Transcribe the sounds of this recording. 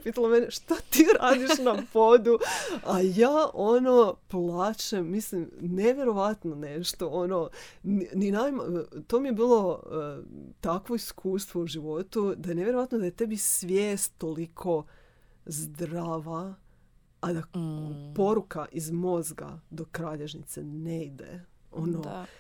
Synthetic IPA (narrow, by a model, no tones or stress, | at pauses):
piːt̪alomeneʃt̪at̪iːɾaːd̪iʃnapo̞d̪uajaːʔo̞no̞plˠaːt͡ʃemːislimneʋjeɾo̞ʋat̪none̞ʃt̪o̞ono̞nninamt̪o̞ːmijebiːlˠo̞ | t̪akʋo̞iskʰuːst̪ʋo̞uʒiʋo̞t̪ud̪ajene̞ʋjeɾoat̪nod̪ajet̪e̞bisʋʲjeːst̪ːo̞likʰo̞ | zd̪ɾaːʋaː | d̪apo̞ɾukaʔizmo̞zɡa̰d̪o̞kɾaːʎeʒnit̪sḛneid̪ḛo̞no